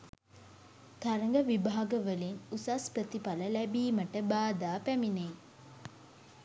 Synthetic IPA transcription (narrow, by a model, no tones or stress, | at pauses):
t̪aɾəŋɡəʋibaːɡəʋəlinusaspɾət̪ipaləlæbiːməʈəbaːd̪aːpæmine